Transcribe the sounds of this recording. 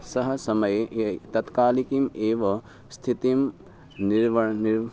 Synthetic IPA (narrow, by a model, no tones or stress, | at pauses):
sɐɦɐ̆sɐmɐjeet̪ɐt̪kaːlikimeːʋɐ | st̪ʰit̪im | niʋniɾ